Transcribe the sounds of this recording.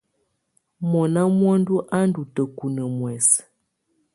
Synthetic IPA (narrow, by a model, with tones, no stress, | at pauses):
mɔ˨na˦mwɔ˦n˦du˦ʔa˦n˦du˨tə˨ku˨nə˨mwɛ˨s